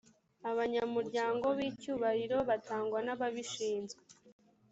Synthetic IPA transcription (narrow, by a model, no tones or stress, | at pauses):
aβaɲamuɾɟaːŋɡo̞βiːcuːβahiɾo̞βataːŋɡwanaβaβiʃiːnzɡe